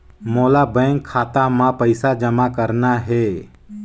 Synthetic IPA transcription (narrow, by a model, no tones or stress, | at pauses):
moːlabɛ̃ːŋɡkʰːaːt̪amãpəɪsad͡ʒəmakəɾnaɦɛː